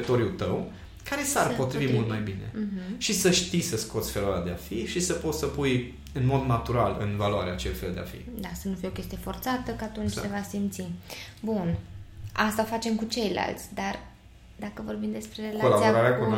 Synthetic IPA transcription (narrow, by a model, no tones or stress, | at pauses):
it̪o̞ɾjut̪əw | kaɾe̞sarpo̞t̪ɾivimult̪majbine̞̰ʃisəʃt̪isəsko̞t̪sʲfeluaɾead̪eafiʃisəpo̞t̪ssəpuj | ɨnmo̞d̪nat̪uɾalɨ̰nvaluaɾeat͡ʃelfeld̪ḛa̰fḭd̪asənufijeokʲe̞st̪ijefo̞rt̪sat̪əkat̪unt͡ʃʲssevasimt̪sibunast̪aofat͡ʃe̞mkut͡ʃe̞jla̰lt̪sʲd̪ar | d̪akəvo̞rbimd̪espɾe̞relakolaiaaɾaɾeakun